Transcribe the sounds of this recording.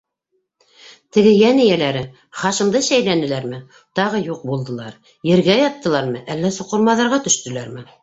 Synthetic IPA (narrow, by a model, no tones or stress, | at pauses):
t̪ɘ̆ɡɘjænɘ̆jælæɾɘ | χɑʃɤ̆md̪ɤsæjlænɘ̆læɾmɘ | t̪ɑʁɤjuq̚bulˠd̪ɤ̆lˠɑɾ | jɘ̆ɾɡæjɑt̪ːɤ̆lˠɑɾmɤʔælːæsŏqŏɾmɑðɑɾʁɑt̪ɵ̆ʃt̪ɵ̆læɾmɘ